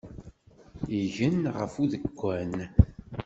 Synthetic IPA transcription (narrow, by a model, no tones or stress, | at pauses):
iʝənʁə̰fuðəkʷːæn